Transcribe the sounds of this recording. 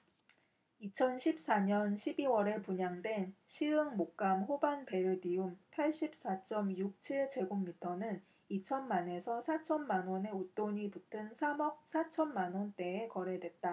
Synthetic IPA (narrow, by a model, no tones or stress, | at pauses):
it͡ɕʰʌnɕʰip̚s͈aɲʌnɕʰibiwʌɾepuɲaŋdwe̞nɕʰiɯŋmok̚k͈amhobanpe̞ɾɯdiumpʰaɭɕ͈ip̚s͈at͡ɕ͈ʌmjuk̚t͡ɕʰiɭd͡ʑe̞ɡommitʰʌnɯn | it͡ɕʰʌnmane̞sʰʌsʰat͡ɕʰʌnmanwone̞ut͈oɲiputʰɯnsʰamʌp̚sʰat͡ɕʰʌnmanwont͈e̞ekʌɾe̞dwe̞t̚t͈a